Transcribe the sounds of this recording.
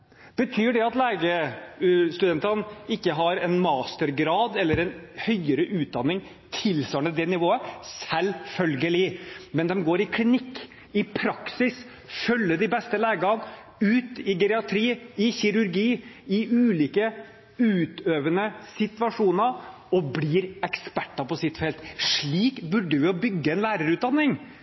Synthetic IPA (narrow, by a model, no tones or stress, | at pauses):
b̥ət̪ʰyːɖɛɑt̪læːɡə | st̪ʉd̪ɛnt̪ənɪkːəɦɑɾɛnmɑːst̪əɾɡɾɑːd̪ɛlːəɾɛnhœʏəɾəʔʉːt̪̚d̪ɑnːɪŋ | t̪ʰɪlsœːnəd̪ɛnɪʋoːəsɛlfœlɡəlɪmɛnd̪ɛmɡoːɾɪkʰlɪnɪkː | ɪpʰɾɑksɪs | fœlːəɖ̪ɪbɛst̪əlæːɡɑn | ʉːt̪ɪɡɛɾɛɑt̪ʰɾiːɪçɪɾʉɾɡiːɪʉːliːkə | ʉːt̪øːʋənəsɪt̪ʋɑʂuːnə | ɔbliːɾɛkspæʈːɑpɔsɪt̪ːfɛlt̪ʂɭiːkbʉɖːəʋɪɔbʏɡːəɛnlæːɾəɾʉːt̪d̪ɑnːɪŋ